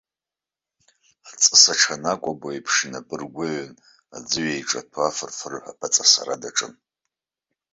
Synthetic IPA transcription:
at͡sʼɨsaʈ͡ʂʰanakʷʼabaipʰʂɨnapʼɨrɡʷʊʕn | a̰d͡zɨɥajʈ͡ʂʼatʰafɨrfɨrħʷapʰat͡sʼasa̰ɾadaʈ͡ʂʼɨn

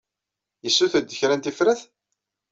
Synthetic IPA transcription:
jəsːuθəd̪ːəçɾænt̪ifɾæθ

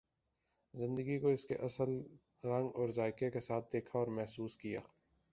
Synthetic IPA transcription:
zɪ̃nd̪əɡikoɪskeʔɐsəl | ɾɐ̃ŋɡɔːɾzaːɪkekesaːt̪̚ʰd̪eːkʰaɔːɾmɛɦsuːskija̰ː

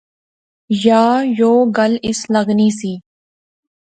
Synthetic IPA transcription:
jaːjoːɡɐlɪslɐɡniːsiː

